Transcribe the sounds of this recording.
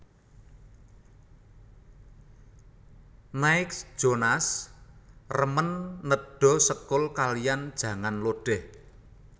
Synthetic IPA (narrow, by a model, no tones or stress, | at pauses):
naɪksd̥ʒ̥onas | rəmənːəɖ̥ɔ̤səkʊlkalijand̥ʒ̥ä̤ŋanloɖ̥ɛh